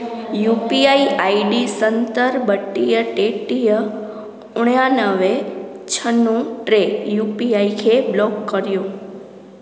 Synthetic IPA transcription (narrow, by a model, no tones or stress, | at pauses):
jupiaiaiɖisənt̪əɾbəʈːijəʈeʈijə | ʊɳjãnəʋe | t͡ʃʰənːũʈɾejupiaikʰeblɔkːəɾjũ